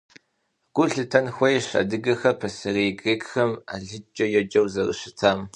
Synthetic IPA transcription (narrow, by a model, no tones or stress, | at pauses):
ɡ̥ʷʊɬɨtʰɐnxʷɔjɕa̰dɨɡɐxɐpʰɐsɨreːɡʼeːɡxɐma̰ɮɨt͡ʃʼɐjɛd͡ʒʼɐwzɐrɨ̰ɕɪtʰaːm